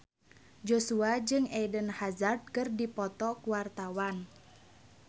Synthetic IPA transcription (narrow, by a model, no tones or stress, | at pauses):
d͡ʒosuad͡ʒɨŋɛdənhazard̚kɨrdipɔt̪ɔkuwart̪awan